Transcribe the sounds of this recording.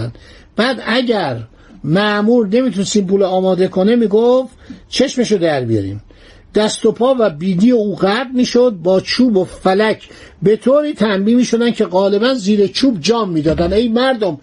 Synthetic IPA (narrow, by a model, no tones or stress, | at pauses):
n | b̥æːd̪æɟæɾ | mæʔmuːɾne̞miːt̪ʰunest̪iːmpuːlːmɒːd̪e̞kʰonemiːɡof | t͡ʃʰe̞ʃmeʃod̪æɾbijɒ̰ɾḭːm | d̪̥æst̪opʰɒːvæbiːd̪iːjeuːɣæd̪miːʃod̪̚bɒːt͡ʃʰuːbofælæcʰbe̞t̪ʰoːɾiːt̪ʰæmbiːmiːʃo̞d̪æncʰe̞ɣɒːle̞bænziːɾet͡ʃʰuːbd͡ʒɒːmːiːd̪ɒːd̪ænejmæɾd̪om